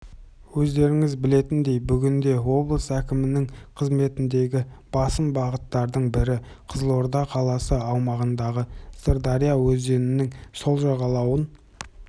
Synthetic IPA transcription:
wɵzd̪e̞ɾɪŋɪzbɪle̞t̪ɪnd̪e̞jbʏɡʲɪnd̪e̞wo̞blˠəsækʲɪmɪnɪŋqʰəzme̞t̪ɪnd̪e̞ɡʲɪb̥ɑsəmbɑʁət̪ːɑɾd̪əɴbɪɾɪ | qʰəzəlˠo̞ɾd̪ɑqʰɑlˠɑsəɑwmɑʁənd̪ɑʁəsəɾd̪ɑɾijawɵzd̪e̞nɪnɪŋso̞lˠʒɑʁɑlˠɑwən

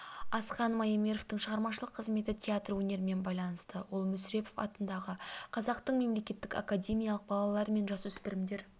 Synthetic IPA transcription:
ɑsqɑnmɑjemʲe̞ɾo̞ft̪əɴʃəʁɑɾmɑʃəlˠəqʰːəzme̞t̪ɪt̪ʲʰeat̪rwɵne̞ɾɪme̞nbɑjlˠɑnəst̪əwo̞lˠmʏsɾe̞po̞fɑ̰t̪ənd̪ɑʁəqʰɑzɑqt̪əɴme̞mle̞kʲe̞t̪ːɪka̰kadʲe̞mʲijalˠəq̚bɑlˠɑlˠɑɾme̞nʒɑswʏspɪɾɪmd̪e̞ɾ

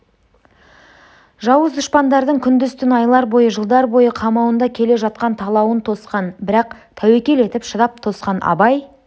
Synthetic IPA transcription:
ʒɑwəzd̪ʊʃpɑnd̪ɑɾd̪əɴkʲʰʏnd̪ʏst̪ɪnɑjlˠɑɾbo̞jəʒəlˠd̪ɑɾbo̞jəqʰɑmɑwənd̪ɑkʲʰe̞le̞ʒɑt̪̚qɑnt̪ʰɑlˠɑwənt̪ʰo̞sqɑnbɪɾɑq̚ | t̪ʰæwe̞kʲe̞le̞t̪ɪpʃəd̪ɑp̚t̪ʰo̞sqɑnɑ̰bɑj

